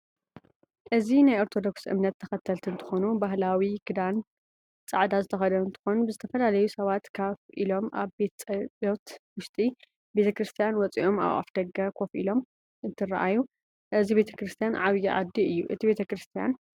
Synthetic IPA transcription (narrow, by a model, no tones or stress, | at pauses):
ʔɨzinajo̞ɾt̪ʰo̞d̪o̞ksʔɨ̰mnɐt̪ʰːɐxɐt̪ʰːɐlt̪ʰɨnt̪ʰɨ̥xo̞nubaɦlawiɡ̥ɨd̪an | t͡sʼaʕd̪azɨt̪ʰɐxɐd̪ɐɨnt̪ʰɨ̥xo̞nubɨzɨt̪ʰɐfɐlalɐjusɐβat̪kʰaβḭlo̞mʔa̰βbet̪ʼot̪wʊʃt̪ʼi | be̞t̪ʰɐkɾɨst̪ʰijanwɔt͡sʼiʔo̞ma̰wʔa̰fd̪ɐɡːɐkʰo̞fḭlo̞m | ɨnt̪ʰɨraʔaju | ʔɨzibe̞t̪ʰɐkɾɨst̪ʰijanʕaβjɛʔa̰d̪ːiɨjːuʔɨ̰t̪ʰibe̞t̪ʰɐkɾɨst̪ʰija̰n